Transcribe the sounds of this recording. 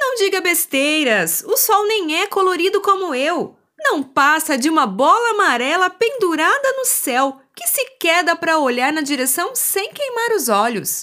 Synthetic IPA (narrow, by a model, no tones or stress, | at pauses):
nɐ̃w̃d͡ʒiɡɐbest̪ejɾɐsʊsɔwnẽj̃ɛkoloɾid̪ʊkõmʊew | nɐ̃w̃pasɐd͡ʒɪũmɐbɔlɐːmaɾɛlɐpẽnd̪uɾad̪ɐnʊsɛwkɪsɪkɛd̪ɐpɾɐoʎaɾnɐd͡ʒiɾesɐ̃w̃sẽj̃kejmaɾʊzɔʎʊ̰s